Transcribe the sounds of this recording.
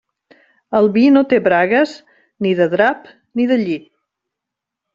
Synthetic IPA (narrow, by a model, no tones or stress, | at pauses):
əlˠβinot̪eβɾaɣəz | niðəðɾap | niðəʎit̪̚